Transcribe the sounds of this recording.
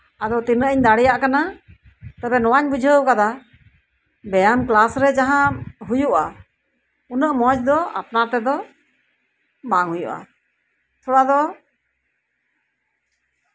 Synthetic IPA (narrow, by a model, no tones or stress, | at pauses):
ad̪ɔt̪inəʔəɲd̪aɽɛjaʔkana | t̪abɛnɔwaɲbud͡ʒʱəwkad̪a | bɛjamklasɾɛd͡ʒaɦãɦujuʔa | unəʔmɔd͡ʒd̪ɔa̰pnat̪ɛd̪ɔ | baŋhujuʔa̰ | t̪ʰuɽad̪ɔ